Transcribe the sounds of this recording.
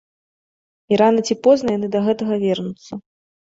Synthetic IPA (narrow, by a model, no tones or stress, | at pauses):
iɾanɐt͡sʲipɔznɐjanɨd̪ɐɣɛt̪ɐɣɐvʲɛrnut̪sːɐ